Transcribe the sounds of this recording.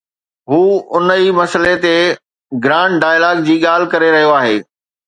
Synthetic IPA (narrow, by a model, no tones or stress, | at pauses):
ɦuːʊnəimɐsəlet̪e | ɡɾãːʈɖaːjlaːɡd͡ʑiːɠaːl̤ɪkɐɾeɾɐɦijoaːɦeː